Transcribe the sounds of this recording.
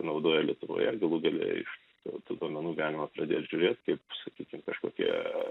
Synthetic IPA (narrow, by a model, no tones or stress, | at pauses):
nɐʊd̪oːjɛlʲiɛt̪ʊʋo̰ːjɛɡɐlˠuɡɐlʲḛːɪ̰ʃ | t̪uːt̪uːd̪oɔmʲɛnuːɡʲɪʋʲæːnʲɪmɐpɾɐd̪ʲeːtʒʲʊɾʲeːt̪kɐɪpsɐkʲiːkʲɪmkɐʃkoːkʲḭɛ